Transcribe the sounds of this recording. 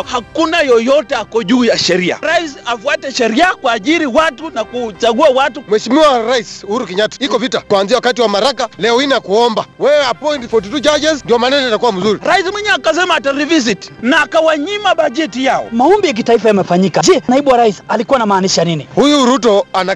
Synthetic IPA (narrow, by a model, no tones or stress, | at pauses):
hakunajɔjɔtɛakɔʄuːjaʃɛɾia̰ɾaisafuatɛʃɛɾiakuaʄiɾiwatunakut͡ʃaɠuawatumwɛʃimiwaɾaisuhuɾukɛɲatḁikɔvitakwanziawakatiwamaɾakalɛɔinakuɔmbawɛwɛapɔjntifɔt̬itut͡ʃad͡ʒɛzndiɔmanɛnaatakuwam̩zuɾiɾaismwiɲɛakas̬ɛmaːtaɾivizitnaːkawaɲimaɓaʄɛtijaɔ̰maɔmbijak̬itaifajamɛfaɲikad͡ʒɛnaiɓuwaɾaisalikuanamaːniʃajaninihujuɾutɔana